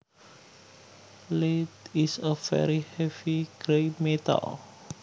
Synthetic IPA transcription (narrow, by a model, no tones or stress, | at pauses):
letisəfɛ̰ɾihɛviɡɾemet̪ə̰l